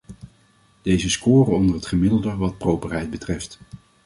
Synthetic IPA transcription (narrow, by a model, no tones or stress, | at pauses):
d̥ejzəskʊːrənɔndərɦətχəmɪdəlˠdəʋɑt̚prowpərɦɛjt̚bətrɛft